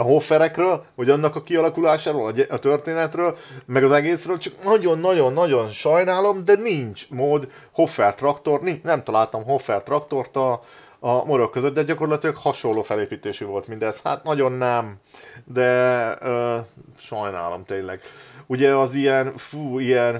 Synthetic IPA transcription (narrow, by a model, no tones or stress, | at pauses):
ɒɦo̞fːɛɾɛkrøːlhoɟɒnːɒkɒkiɒlɒkulaːʃaːɾoːlɒɟɛʔɒt̪ørt̪eːnɛt̪røːlmɛɡɒzɛɡeːsrøːlt͡ʃɒknɒɟo̞nːɒɟo̞nːɒɟo̞nʃɒjnaːlo̞md̪ɛniɲt͡ʃmoːd̪ | ho̞fːɛrt̪rɒkt̪o̞rniɲnɛmt̪ɒlaːlt̪ɒmɦo̞fːɛrt̪rɒkt̪o̞rt̪ɒː | moɾo̞kːøzød̪d̪ɛɟɒko̞rlɒt̪ilɒkhɒʃo̞lːoːfɛleːpiːt̪eːʃyvo̞lt̪mind̪ɛsha̰ːt̪nɒɟo̞nːɛmd̪ɛøʃɒjna̰ːlo̞̰mt̪eːnlɛɡuɟɛɒzijɛnfuːijɛn